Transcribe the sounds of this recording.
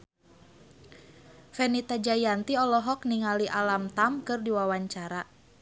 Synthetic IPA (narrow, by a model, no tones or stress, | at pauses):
fɛnit̪ad͡ʒajant̪iɔlɔɦɔk̚niŋaliʔalamt̪amkɨrdiwawaɲt͡ʃaɾa